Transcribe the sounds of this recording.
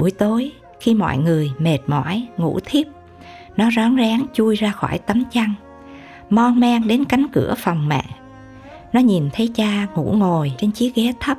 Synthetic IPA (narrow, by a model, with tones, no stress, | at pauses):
ɓu˧˩əjt̪o˨˦j | xi˧mɔ̰˧˨jŋɨ˨˩əjme˨˩t̚mɔ̰˧˥jŋṵ˧˩˥t̪ʰi˦˥əp̚ | nɔ˨˦zɔ˨˦nzaː˨˦ŋt͡ɕu˧jzaː˧xɔː˧˩jt̪ə˨˦mt͡ɕa˧ŋ | mɔ˧nmɛ˧ŋɗe˨˦nka˨˦jŋ̟kɨ˧˩əfə˨˩wŋ͡mmɛ̰ː˧˨ | nɔ˨˦ɲi˨˩nt̪ʰə˨˦jt͡ɕaː˧ŋṵ˧˥ŋo˨˩jt͡ɕe˧nt͡ɕi˨˦ək̚ɣɛ˨˦t̪ʰə˦˥p̚